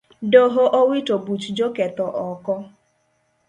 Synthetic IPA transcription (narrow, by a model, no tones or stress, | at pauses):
doɦoʔowitobut͡ʃud͡ʒoketɔʔɔkɔ